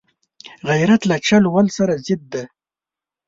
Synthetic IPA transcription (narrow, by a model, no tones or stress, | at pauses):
ɣajɾat̪lat͡ʃalwalsaɾazɪd̪̚ːe